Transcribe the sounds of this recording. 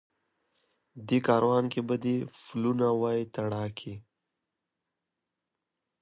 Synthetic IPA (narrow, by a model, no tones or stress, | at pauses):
d̪ikaːɾwaːnkebəd̪ifulunawaːjt̪ɐɽaːkʰi